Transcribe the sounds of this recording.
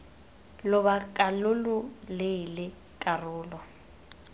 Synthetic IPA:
lʊbakʼalʊlʊlɪlɪ | kʼarʊːlɔ

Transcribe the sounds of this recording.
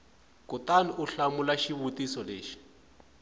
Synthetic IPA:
kutaniuɬamulaʃiβutisɔleːʃi̥

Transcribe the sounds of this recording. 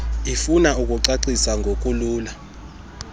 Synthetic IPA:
ifunaukʼuǀaǀisaŋɡʱok̬ʼuluːla

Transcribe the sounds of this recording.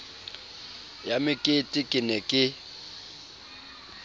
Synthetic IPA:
jamɪkʼɪtʼɪkʼɪnɛkʼɪ

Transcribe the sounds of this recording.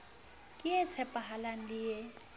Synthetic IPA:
kʼɪɛt͡sʰɛpʼaɦalan̩lɪje

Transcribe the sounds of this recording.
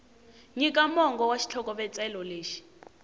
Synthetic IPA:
ɲikʼamɔŋɡɔwaʃi̥t͡ɬʰɔkʼɔɓɛt͡sʼɛlɔleːʃi̥

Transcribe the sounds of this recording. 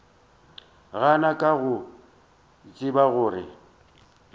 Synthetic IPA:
ɣanakʼaɣʊ | t͡sʼɪbaɣʊːrɪ̰

